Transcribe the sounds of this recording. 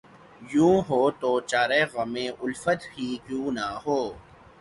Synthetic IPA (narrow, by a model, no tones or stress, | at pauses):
jũːɦoːt̪oːt͡ɕaːɾeːɣɐmẽːʔʊlfət̪hiːkjũːnaɦoː